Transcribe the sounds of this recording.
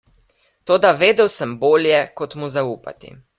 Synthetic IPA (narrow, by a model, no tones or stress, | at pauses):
t̪oːd̪aʋeːd̪ɛwsəmboːljɛkɔt̪muzauːpa̰t̪ḭ